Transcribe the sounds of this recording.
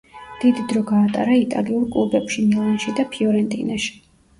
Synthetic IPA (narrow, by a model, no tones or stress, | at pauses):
d̪̥id̪id̪ɾɔɡaːt̪ʼa̰ɾait̪ʼa̰liuɾkʼlˠubɛpʃinilˠanʃid̪apʰiɔɾɛnt̪ʼḭnaʃi̥